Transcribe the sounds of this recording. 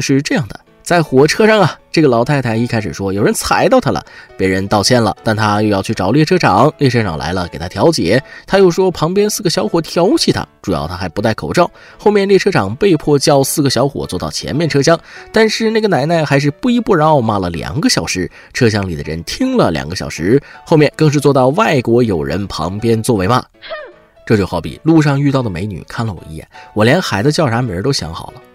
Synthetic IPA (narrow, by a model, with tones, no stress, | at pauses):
ʂɻ̩˥˧ʈ͡ʂɤ˥˧jɑ˥˩ŋd̪ə̰˩ | t͡sa˥˩ɪxwɔ˨˩ʈ͡ʂʰɤ˥ʂɑ˥˩ŋɐ˩ʈ͡ʂɤ˥˩ɡə˩lɑ˧˥ʊt̪ʰa˥˩ɪt̪ʰa˧˥ɪi˥˩kʰa˥ɪʂɻ̩˨˩ʂwɔ˥jo˨˩ʊɻə˧˥nt͡sʰa˧˥ɪt̪ɑ˥˩ʊt̪ʰa˧˥lə̰˨˩pjɛ˧˥ɻə˧˥nt̪ɑ˥˧ʊt͡ɕʰjɛ˥˩nlə̰˩t̪a˥˩nt̪ʰa˥jo˥˧ʊjɑ˥˧ʊt͡ɕʰy˥˩ʈ͡ʂɑ˨˩ʊljɛ˥˩ʈ͡ʂʰɤ˥ʈ͡ʂʰɑ˨˩˦ŋljɛ˥˩ʈ͡ʂʰɤ˥ʈ͡ʂʰɑ̰˨˩ŋla̰˧˥ɪlə̰˧ke˨˩ɪt̪ʰa˥t̪ʰjɑ˧˥ʊt͡ɕjɛ̰˨˩˦t̪ʰa˥jo˥˧ʊʂwɔ˥pʰɑ˧˥ŋpjɛ˥nsɹ̩˥˩ɡə˩ɕjɑ˧˥ʊxwɔ˨˩t̪ʰjɑ˧˥ʊt͡ɕʰi˧˩t̪ʰa̰˥ʈ͡ʂu˨˩jɑ̰˥˧˩ʊt̪ʰa˥xa˧˥ɪpu˧˥t̪a˥˩ɪkʰo˨˩ʊʈ͡ʂɑ˥˩ʊ | xo˥˧mjɛ˥˧nljɛ˥˩ʈ͡ʂʰɤ˥ʈ͡ʂʰɑ˨˩ŋpe˥˧ɪpʰwɔ˥˩t͡ɕjɑ˥ʊsɹ̩˥˩ɡə˩ɕjɑ˧˥ʊxwɔ̰˨˩˦t͡swɔ˥˧t̪ɑ˥˩ʊt͡ɕʰjɛ̰˧˥nmjɛ˥˩nʈ͡ʂʰɤ˥ɕjɑ˥ŋt̪a˥˧nʂɻ̩˥˧na˥˩ɡə˩na˧˥ɪna˥˩ɪxa˧˥ɪʂ̬ɻ̩˥˧pu˥˩i˧˥pu˥˩ɻa˧˥n˥˧ma˥˩lə˩ljɑ̰˨˩ŋɡə˧ɕjɑ˨˩ʊʂɻ̩˧˥ | ʈ͡ʂʰɤ˥ɕ̬jɑ˥ŋli˨˩ə̰˦ɻə̰˧˥nt̪ʰi˥ŋlə˨ljɑ̰˨˩ŋɡə˧ɕjɑ̰˨˩ʊʂɻ̩˧˥xo˥˧ʊmjɛ˥˧˩nkɤ˥˧ŋʂ̬ɻ̩˥˧t͡swɔ˥˧t̪ɑ˥˧ʊwa˥˩ɪkwɔ˧˥jo˨˩ʊɻə̰˧˥npʰɑ̰˧˥ŋpjɛ˥nt͡swɔ˥˩we˧˥ɪma̰˧˩ | ʈ͡ʂɤ˥˧t͡ɕjo˥˧ʊxɑ˧˥˩ʊpḭ˨˩˦lu˥˧ʂ̬ɑ˥˧ŋy˥˧t̪ɑ˥˩ʊd̪ə˩me˧˥ɪny̰˨˩kʰa˥˩nlə˩wɔ̰˨˩ḭ˥˧jɛ̰˥˩nwɔ˨˩ljɛ˧˥nxa˧˥ɪd̪ə˧t͡ɕjɑ˥˩ʊʂʰa˧˥me˨˩ə˧˥t̪o˥ɕjɑ̰˧˥ŋxɑ̰˨˩ʊlə˦